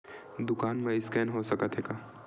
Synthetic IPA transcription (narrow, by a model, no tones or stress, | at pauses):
d̪ʊkaːnmẽɪskɛːnɦosɐkət̪ɦeːɡaː